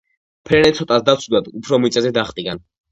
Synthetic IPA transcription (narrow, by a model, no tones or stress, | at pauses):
pʰɾɛnɛt̪sʰɔt̪ʼasd̪at̪sʰud̪ad̪upʰɾɔmit̪sʼɛzɛd̪aχt̪ʼiɡan